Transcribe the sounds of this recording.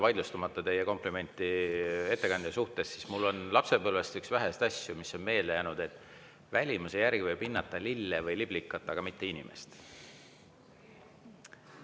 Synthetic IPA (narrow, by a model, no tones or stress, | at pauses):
vɑjd̪just̪umɑt̪ˑːɑt̪e̞jeko̞mplime̞nʲt̪ːˑie̞t̪ːe̞kɑnd̪jɑsuht̪e̞sːismulːo̞nlɑpse̞bɤlvest̪yksvæɦest̪ɑsʲjumisːo̞nme̞ːlːe̞jæːnud̪̥e̞t̪ːˑ | vælʲimusejæɾɡ̥ivɤjb̥inːɑt̪ːˑɑlilːevɤjlib̥likːˑɑt̪ˑːɑɡ̥ɑmit̪ːe̞inʲime̞̰st̪